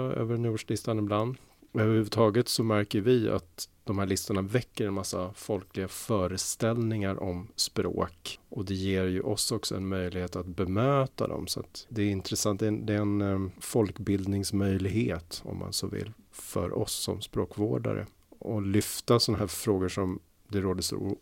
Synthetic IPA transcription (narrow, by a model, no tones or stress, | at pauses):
ø̰ːvəɳuːʂlɪst̪anɪbland̪ | øːvəɾhʉvət̪ʰɑːɡət̪sɔmæɾkəvɪa̰t̪d̪̥ɔmhæːɭɪst̪ʊɳavɛkkːəɾɛnmasːafɔlklɪɡafœːɾəst̪ɛlnɪŋaɾʔɔmspɾo̰ːkʔɔd̪ɛjeːɾjɵʔɔsɔksɔɛ̰nmœjlɪɡheːt̪at̪bɛmøːt̪a̰d̪ɔ̰msɔa̰t̪d̪ɛæɾɪnt̪ɾɛsant̪̚d̪ɛd̪ɛɛnfɔlkbɪld̪nɪŋsmœjlɪɡheːt̪ɔ̰mːa̰nsoːvɪ̰lfœ̰ɾɔ̰sːɔ̰mspɾoːkvoːɖa̰ɾə̰ | ɔlʏft̪asɔnaɦæːɾfɾoːɡəʂɔm | d̪ɛɾoːd̪əsɔ̰